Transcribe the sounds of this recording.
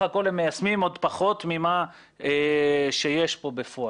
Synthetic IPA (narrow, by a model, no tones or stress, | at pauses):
ako̞lhemːejasmimo̞d̪paχo̞t̪mima | eʃejeʃpo̞befoa